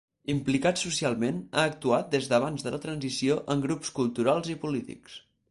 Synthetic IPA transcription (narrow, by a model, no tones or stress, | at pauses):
implikat̪susialˠmena̰ːk̚t̪uat̪̚d̪ezðəβ̞anzðələt̪ɾənzisioʔəŋɡɾupskulˠt̪uɾalˠzipulit̪ḭks